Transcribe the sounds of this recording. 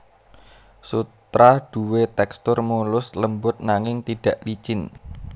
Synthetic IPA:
sut̪ɾaɖ̥ṳwet̪ɛkst̪ʊrmulʊsləmbʊt̪̚naŋɪŋt̪iɖ̥ä̤ʔlit͡ʃɪn

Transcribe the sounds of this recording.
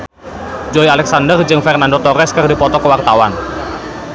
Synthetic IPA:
d͡ʒɔialɛk̚sandərd͡ʒɨŋfɛrnandot̪ɔɾɛskɨrdipɔt̪ɔkəwart̪awan

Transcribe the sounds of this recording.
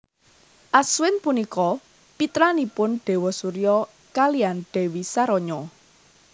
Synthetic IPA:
ʔaswɪnpunikɔ | pit̪ɾanipʊnɖ̥e̤wɔsuɾijɔ | kalianɖ̥ɛ̤wisaɾɔɲɔ

